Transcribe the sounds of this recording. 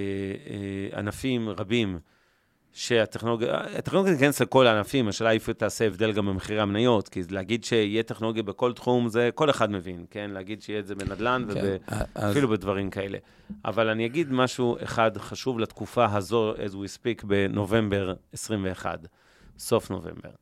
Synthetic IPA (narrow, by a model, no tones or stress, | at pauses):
e | a̰nafimʁabim | ʃe̞at̪eχnoloɡa̰at̪eχoloɡjaikanesleko̞laːnafimaʃeːlaifet̪aːseːvd̪e̞lɡambemeχiʁeamnajo̞tkileaɡid̪ʃeijet̪eχnoloɡjabe̞ko̞ltχumzeko̞leχadme̞vinke̞nleaɡidʃeijezebenadlanvebeafilubedvaʁimkae̞lḛ | ʔa̰valanijaɡid̪maʃuḛχadχaʃuvlat̪kufaɦazo̞ɛzwispikbe̞no̞ve̞mbe̞ʁesʁimve̞ːχa̰d | so̞fno̞̰vḛmbe̞̰ʁ